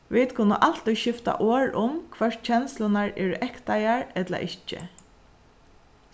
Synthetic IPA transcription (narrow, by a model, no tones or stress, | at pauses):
ʋɪt̪kʰʊnəʔal̥t̪ɔjʃɪft̪a̰ʔoːɹʊmkʰʋɛʂ̚t͡ʃʰɛnslʊnaɹɛːɹʊʔɛkt̪ajaɹɛt̪la̰ʔɪt͡ʃːɪ̰